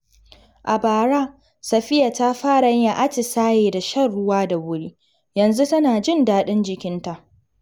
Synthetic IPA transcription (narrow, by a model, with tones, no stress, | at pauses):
ʔa˨baː˨ɾaː˦ | sɐ˨ɸɪ˦ja˨ta˦ɸaː˦ɽa˨ɲ˦a˨ʔa˦t͡ʃɪ˨saː˦jeː˨da˨ʃɐ˦rɽʊ˦waː˦da˨wʊ˦ɽiː˦ | jɐ˨nzu˦tɐ˦naː˨d͡ʒɪ˦ndaː˦ɗɪ˦nd͡ʒɪ˨kʲɪ˦nta˨ʔ